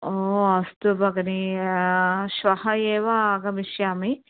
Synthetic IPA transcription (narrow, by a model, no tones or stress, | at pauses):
oːɐst̪ubʱɐɡɐni | ʃʋɐhɐjeːʋɐɡɐmiʃjaːmi